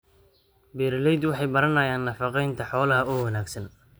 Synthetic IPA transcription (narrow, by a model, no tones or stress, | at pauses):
bɛːɾlɛjd̪wɑħɑjbɐɾɐnɐjaːnːɐfɑqɛjnt̪ʰɐħɔːlɐɦɐʊwɐnaːɡsɐn